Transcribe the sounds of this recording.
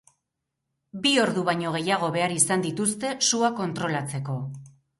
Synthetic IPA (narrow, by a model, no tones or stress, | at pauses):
bio̞ɾðuβaɲo̞ɣ̞e̞jaɣ̞o̞βe̞aɾisand̪it̪ust̪e̞suako̞nt̪ɾo̞lat͡se̞ko̞